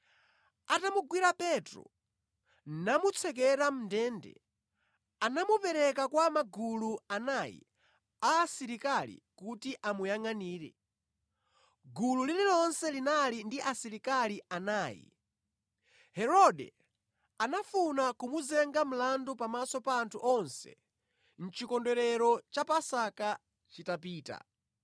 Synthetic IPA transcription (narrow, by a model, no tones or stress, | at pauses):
atamuɡwiɾapɛtɾɔ̰ | namut͡sʰɛk̬ɛɾam̩ndɛːndɛ̰ | anamupɛɾɛkakwamaɡuluanajḭ | aːsiɾikalḭkutiʔamujaŋaniːɾɛ̰ | ɡululililɔnsɛlinalindiʔasiɾikaliʔanaːjḭ | hɛɾɔdɛ̰ | anafunakumuzɛŋɡam̩landupamasɔpaːntʰuʔɔnsɛ̰ | n̩t͡ʃikɔndɛɾɛɾɔt͡ʃapasaka | t͡ʃitapiːta̰